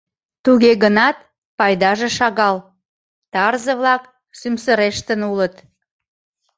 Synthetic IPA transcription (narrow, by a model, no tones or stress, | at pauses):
t̪uɣeɣənɑt̪̚ | pɑjd̪ɑʒeʃɑɣɑl | t̪ɑrzəβlɑk | symsəɾeʃt̪ənulət̪